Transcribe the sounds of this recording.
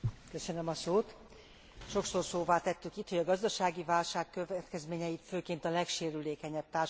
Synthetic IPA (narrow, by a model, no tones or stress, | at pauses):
kø̞sø̞nømɒsoːt̪ | ʃo̞ksorsoːvaːt̪ɛt̪ːykit̪ho̞ɟɒɡɒzd̪ɒʃaːɡivaːlʃaːkːøvɛt̪kɛzmeːɲɛjit̪føːkeːnt̪ɒlɛkʃeːɾyleːkɛɲɛb̚t̪aːr